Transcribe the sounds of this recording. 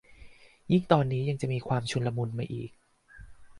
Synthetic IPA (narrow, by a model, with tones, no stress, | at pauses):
ji˥˩ŋt̪ɔː˧nːiː˦˥ja˧ŋt͡ɕa˨˩ʔmiː˧kʰwaː˧mt͡ɕʰu˧nla˧mu˧nma˧ʔiː˨˩k̚